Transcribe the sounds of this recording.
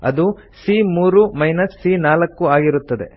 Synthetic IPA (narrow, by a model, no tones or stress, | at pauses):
ɐ̰d̪u | simuːɾumɐjnɐsːiːnaːlɐkːuaːɡiɾut̪ːɐd̪e̞̰